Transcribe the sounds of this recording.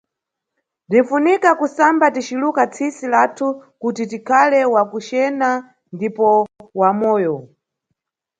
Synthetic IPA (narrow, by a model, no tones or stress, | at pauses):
din̩funikakusambatit͡ʃilukat͡sʰisilatʰukutitikʰalɛwakut͡ʃɛna | ndipɔwamɔːjɔ